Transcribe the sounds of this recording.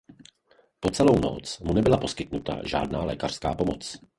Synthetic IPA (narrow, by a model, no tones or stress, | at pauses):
po̞t͡sɛlowno̰t͡smunɛbɪlapo̞skɪt̪nut̪a̰ʒa̰ːdnaːlɛ̰ːkar̝̥skaːpo̞mot͡s